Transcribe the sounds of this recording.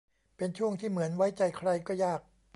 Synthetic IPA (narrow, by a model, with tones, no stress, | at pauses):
pe˧nt͡ɕʰu˥˩əŋt̪ʰiː˥˩mɯ˩˦ənwa˦˥jt͡ɕa˧jkʰɾa˧jkɔː˥˩jaː˥˩k̚